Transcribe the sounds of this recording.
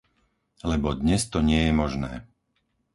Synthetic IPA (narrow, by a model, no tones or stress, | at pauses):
lɛbɔd̪ɲɛst̪ɔɲɪɛjɛmɔʒnɛ̰ː